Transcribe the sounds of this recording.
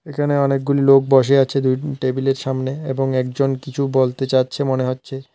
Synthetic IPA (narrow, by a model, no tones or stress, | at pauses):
ekʰaneɔnek̚ɡulilok̚bɔʃ̬eat͡ɕʰed̪ujʈebileɾʃamneeboŋɛk̚d͡ʑonkit͡ɕʰubolt̪et͡ɕatːɕʰemoneɦotːɕʰe